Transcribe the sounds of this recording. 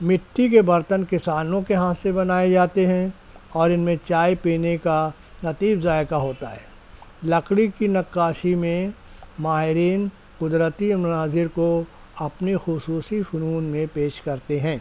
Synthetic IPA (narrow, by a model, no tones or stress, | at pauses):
mɪʈʰːik̬ebɐɾt̪ənkɪsaːnõkeɦãsebɐnaːed͡ʒaːt̪eɦɛ̃ | ɔːɾɪnmẽt͡ʃaːjpiːneka | nɐt̪iːbzaːjkaɦoːt̪aɦɛː | lɐkɽikinɐkːaːʃimẽ | maːɦɪɾiːn | qʊd̪ɾət̪imʊnaːzɪɾko | ɐpnixʊsuːsifʊnuːnmẽpeːʃkɐɾt̪eɦɛ̃ː